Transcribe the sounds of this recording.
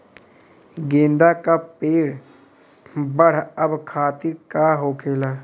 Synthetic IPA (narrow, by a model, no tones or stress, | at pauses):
ɡẽːnd̪aːkaːpeːɽ | bəɽ̤əbkʰaːt̪ɪɾkaːɦoːkʰeːlaː